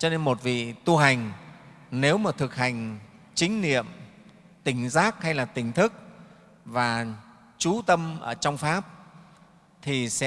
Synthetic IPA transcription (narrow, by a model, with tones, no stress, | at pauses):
t͡ɕɔ˧ne˧nmo˨˩t̚vḭ˧˨t̪u˧ɦa˨˩jŋ̟ | ne˨˦wmaː˨˩t̪ʰɨ˨˩k̚ha˨˩jŋ̟ | t͡ɕï˨˦ŋ̟nḭ˧˨əm | t̪ï˨˩ŋ̟zaː˦˥k̚ha˧jlaː˨˩t̪ï˨˩ŋ̟t̪ʰɨ˦˥k̚ | vaː˨˩ | t͡ɕu˨˦t̪ə˧mʔəː˧˩t͡ɕɔ˧wŋ͡mfaː˦˥p̚ | t̪ʰi˨˩sɛ̰˧˥